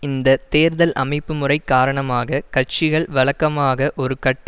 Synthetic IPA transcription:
ɪnd̪ɐt̪eːɾðɐlʔɐ̰mɐɪpːɯmɯrɐɪkːaːɾɐɳɐmaːɣɐkɐt͡ʃɪɣɐɭʋɐɭɐkːɐmaːɣɐʔɔɾɯkɐʈː

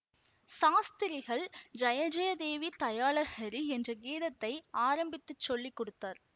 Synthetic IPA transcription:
saːst̪ɪɾɪɣɐɭd͡ʒɐjɐd͡ʒɐjɐd̪eːʋit̪ɐjaːɭɐɣɐɾiɛndrɐɡiːðɐt̪ːɐɪaːɾɐmbɪt̪ːɯt͡ʃːɔɭːikːɔɽɯt̪ːaːɾ

